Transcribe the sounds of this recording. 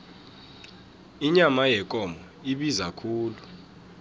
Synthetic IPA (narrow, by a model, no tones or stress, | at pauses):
iɲamajɛkʼɔmɔ | iɓizakʰuːlu